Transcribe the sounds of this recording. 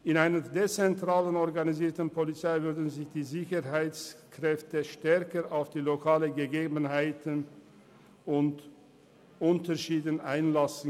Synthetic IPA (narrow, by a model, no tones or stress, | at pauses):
ʔɪnaɪnədet͡sɛntʁ̥aːlənɔɐɡaniziːɐtən̩pʰolit͡saɪvʏɐʁdn̩zɪçd̥iːzɪçəɦaɪt͡skʁ̥ɛftəʃtɛɐkəʁʔaʊfd̥iːlokʰaːlənɡəɡeːbən̩ɦaɪtən | ʊnt | ʔʊntəʃiːdənʔaɪnlasn̩